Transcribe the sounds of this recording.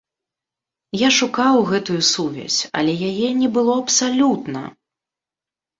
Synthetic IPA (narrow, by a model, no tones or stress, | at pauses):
jaʂukawɣɛt̪ujusuvʲɛ̰sʲɐ̰lʲɛjajɛnʲɛbɨlˠɔɐpsalʲut̪nɐ̰